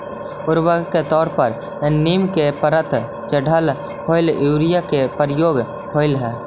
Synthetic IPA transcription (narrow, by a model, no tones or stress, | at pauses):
ʊɾwəɡket̪ɔːɾpəɾ | niːmkepəɾət̪ | t͡ʃəɖʱəl | hʰoːɪljuːɾijakepəɾjoːɡ | hʰoːɪlɦɛː